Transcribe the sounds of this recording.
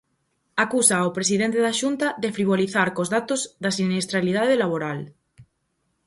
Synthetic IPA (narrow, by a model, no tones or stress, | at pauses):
akusaopɾesiðent̪eðaʃunt̪aðefɾiβ̞oliθaɾkozðat̪ozðasinest̪ɾalið̞aðelaβ̞oɾal